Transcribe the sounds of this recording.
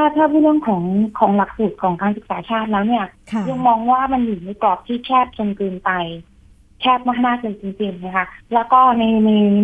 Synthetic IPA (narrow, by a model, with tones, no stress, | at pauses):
tʰaː˥˩t̪ʰaː˥˩pʰiː˧˥lɯ˥˩əŋkʰɔː˩˦ŋkʰɔː˩˦ŋla˨˩k̚suː˨˩t̪̚kʰɔː˩˦ŋkaː˧nsɯ˨˩k̚saː˩˦t͡ɕʰaː˥˩t̪̚lɛː˦˥wni˥˩ɐja˧ŋmɔː˧ŋwaː˥˩ma˧njuː˨˩na˧jpɾɔː˨˩p̚t̪ʰiː˥˩kʰɛː˥˩p̚t͡ɕo˧nkɯː˧npa˧j | kʰɛː˥˩p̚ma˦˥knaː˥˩kɯː˧nt͡ɕi˧ŋt͡ɕi˧˩ŋna˦˥kʰa˦˥lɛː˦˥wkɔː˥˩na˧jna˧j